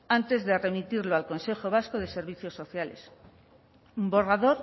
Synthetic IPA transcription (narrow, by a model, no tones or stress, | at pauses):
ant̪e̞zðe̞re̞mit̪iɾloalko̞nse̞xo̞β̞asko̞ð̞e̞se̞ɾβ̞iθjo̞sːo̞θjale̞̰s | bo̞raðo̞ɾ